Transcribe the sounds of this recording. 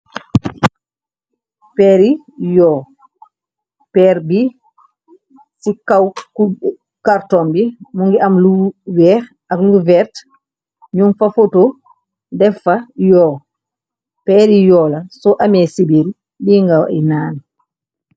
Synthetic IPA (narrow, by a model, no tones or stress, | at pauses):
pɛɾi | jɔ | pɛɾbi | sikawku | kaɾtɔmbimuŋɡɛʔamluɡwɛɾ | ʔakluɡuvɛɾt | ɲumfafoto | dɛfajɔ | pɛɾijɔːlasɔʔamɛsibiɾi | biːŋɡaw̰ɛ̰naːna